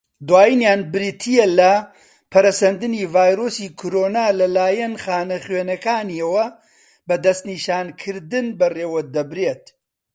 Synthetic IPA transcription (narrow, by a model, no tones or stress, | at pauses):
d̪waːjinjaːnbɨɾit̪ʰijɐlɐ | pʰɐɾɐsɐnd̪ɨniːvaːjɾoːsiːkʰoɾoːnaːlɐlaːjɐnχaːnɐχɥeːnɐkaːniɐwɐ | bɐd̪ɐst̪niːʃaːnkʰɨɾd̪ɨnbɐreːwɐd̪ɐbɾeːt̪̚